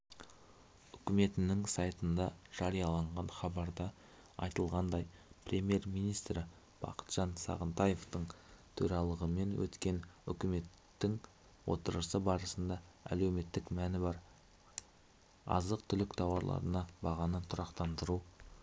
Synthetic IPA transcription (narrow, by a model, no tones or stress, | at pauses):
ʏkʲɪme̞t̪ɪnɪŋsɑjt̪ənd̪ɑʒ̥ɑɾijɑlˠɑɴʁɑnχɑbɑɾd̪ɑ | ɑ̰jt̪əlˠʁɑnd̪ɑjpʰrʲe̞mʲje̞ɾmijnijst̪ɾɪ | b̥ɑ̰qə̥t̪ʒ̥ɑnsɑ̰ʁənt̪ɑje̞ft̪əɴt̪ʰɵɾɑlˠəʁəme̞nwɵ̰t̪kʲe̞nʏ̰kʲɪme̞t̪ːɪŋ | wo̞̰t̪əɾəsəbɑɾəsənd̪ɑæ̰lewme̞t̪ːɪkmænɪbɑɾ | ɑ̰zəqt̪ʰʏlɪkt̪ʰɑwɑɾlˠɑ̰ɾənɑbɑʁɑnət̪ʰʊɾɑqt̪ɑnd̪əɾu